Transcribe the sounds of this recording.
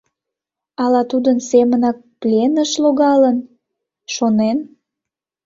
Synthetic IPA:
ɑlɑt̪ud̪ənsemənɑk̚plʲenəʃloɣɑlən | ʃonen

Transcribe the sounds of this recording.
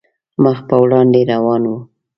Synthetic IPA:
məxpəwɽɑnd̪eɾawɑnwu

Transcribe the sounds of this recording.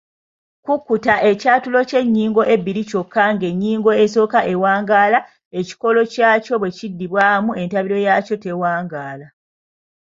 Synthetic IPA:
kukːutaʔe̞caːtulo̞ce̞ɲːiːŋɡo̞ʔe̞biɾico̞kːaŋɡe̞ɲːiːŋɡo̞eso̞ːkaʔe̞waːŋɡaːla | e̞ci̥ko̞lo̞caːco̞βwe̞cidːiβwaːmue̞ntaβiɾo̞jaːco̞te̞waːŋɡaːla

